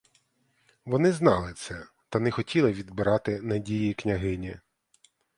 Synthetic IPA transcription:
ʋɔnɪznɑlˠɪt̪sɛ | t̪ɐnɛxɔtʲʰilˠɪʋʲid̪bɪɾɑt̪ɪnɐdʲijiknʲɐɦɪnʲi

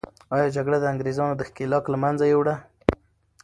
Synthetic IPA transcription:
ɑjɑd͡ʒaɡɽad̪əaŋɡɾezɑnod̪əxkelɑklamanzajewɽa

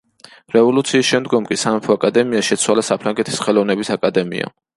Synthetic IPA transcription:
ɾɛvɔlut̪sʰiːsʃɛmd̪ɡɔmkʼisamɛpʰɔakʼad̪ɛmiaʃɛt̪sʰwalasapʰɾaŋɡɛt̪ʰi̥sχɛlɔvnɛbisakʼad̪ɛmḭa̰

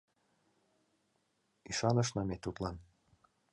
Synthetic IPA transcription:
iʃɑnɤ̆ʃnɑmet̪ut̪lɑn

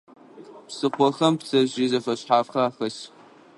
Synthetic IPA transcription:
psɨqʷɔxɐmpsʰɐʑiːzɐfɐɕħaːfxɐaːxɐɕ

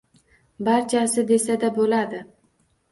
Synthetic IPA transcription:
baɾt͡ʃʰasɪd̪e̞sad̪abolad̪ɪ

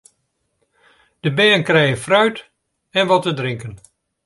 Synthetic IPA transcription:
d̥əbɛːnkrɛjəfrœɥt | ɛnʋɔtədrɪŋkən

